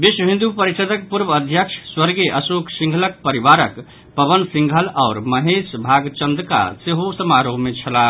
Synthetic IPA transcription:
biswəbʱĩnd̪upəɾisəd̪ək̚puɾbəd̪ʱjəkt͡ʃʰswəɾɡeʔəsoksĩŋɡʱələk̚pəɾiʋaɾək | pəbənsĩŋɡʱəlaːɾməɦesbʱaɡt͡ʃənd̪ka̰seɦosəmaɾoɦmet͡ʃʰəla

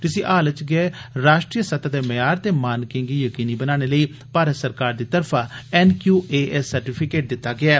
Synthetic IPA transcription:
t̪ɪsĩːʔaːlət͡ʃɡɛɛɾaːʃʈɾijəsət̪ʰad̪eːməjaːɾt̪eːmaːnkɪ̃ŋɡiːjəkiːniːbənaːɽ̃eːləiː | paːɾət̪səɾkaːɾd̪iːt̪əɾpʰaːɛːnkjuːeːɛsːəɾʈiːpʰɪkeːʈ̚d̪ɪt̪ːaːɡɪaɛː

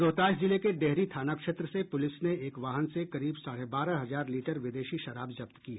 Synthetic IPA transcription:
ɾoːt̪aːd͡ʒd͡ʒɪlekeɖɛɦɾit̪ʰaːnakʃet̪ɾəsepʊlɪsneeːkʋaːɦənsekɐɾiːbsaːɽebaːɾaɦɐzaːɾliːʈəɾʋɪd̪eːʃiʃɐɾaːbzɐpt̪kiɦɛ

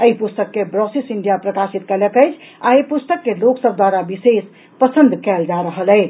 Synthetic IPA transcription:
əipust̪əkːebɾɔsisiɳɖijapɾəkasit̪̚kələkəjt͡ʃʰ | aepust̪əkːeloksəb̚ʱd̪waɾabises | pəsənd̪ʱkɛld͡ʒaɾəɦəlɛj

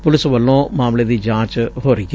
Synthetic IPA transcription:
pʊlɪsʋəlːõːmaːmleːd̪iːd͡ʒãːt͡ʃɦoːɾeɡ

